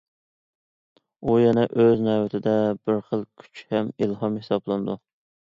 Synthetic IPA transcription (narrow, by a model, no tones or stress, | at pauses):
ujɛnɛʔøznɛwɛt̪ʰɪd̪ɛbɪɾχəlˠkʲʰy̥t͡ʃhɛmilɦɑmhesɑblˠɨnd̪u